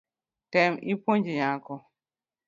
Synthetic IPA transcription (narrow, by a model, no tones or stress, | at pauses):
tɛmipoɲd͡ʒijãːkɔ